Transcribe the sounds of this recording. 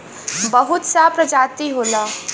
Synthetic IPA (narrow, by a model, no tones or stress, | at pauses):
bɐɦʊt̪sapɾɐd͡ʒaːt̪iɦoːlaː